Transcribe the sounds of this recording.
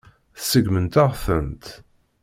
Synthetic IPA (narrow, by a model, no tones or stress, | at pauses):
θsəɡmənt̪aʁfənt̪